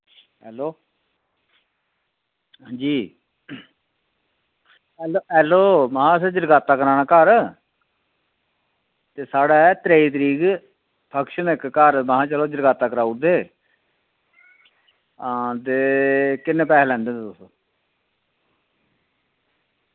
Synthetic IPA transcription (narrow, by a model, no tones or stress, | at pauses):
ɦɛːloː | d͡ʒiː | ɛloɛːloːmaãːsɛd͡ʒəɾɡaːt̪ːaːkəɾaːnaːkəɾ | t̪eːsaːɽaːt̪ɾeːiːt̪̬əɾiːɡ | pʰəkʃənɪkːəɾmaɦãːt͡ʃəloːd͡ʒəɾɡaːt̪aːkəɾaːud̪eː | d̪eːkɪneːpɛːlɛ̃ːnd̪ẽːt̪ʊs